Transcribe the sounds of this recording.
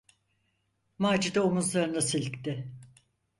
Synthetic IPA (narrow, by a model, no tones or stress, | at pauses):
maːd͡ʒid̪aomuzlˠaɾɯnd̪asilʲkʲt̪ɪ